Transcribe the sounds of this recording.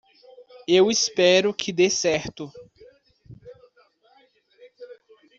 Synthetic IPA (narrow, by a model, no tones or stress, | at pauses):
ewɪspɛɾʊkʰɪd̪esɛɾt̪ʊ